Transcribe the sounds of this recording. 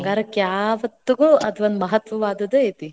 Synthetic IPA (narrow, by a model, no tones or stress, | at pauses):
ŋɡaːɾɐkjaːʋɐt̪ːuɡɐɭʔɐt̪ʰʋɐnmɐɦɐt̪ʋɐʋaːd̪ɐd̪ɐet̪i